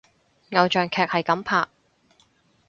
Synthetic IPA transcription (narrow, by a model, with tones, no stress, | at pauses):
ŋɐ˨˧wt͡ʃœː˨ŋkʰɛː˨k̚hɐ˨jkɐ˨˥mpʰaː˨k̚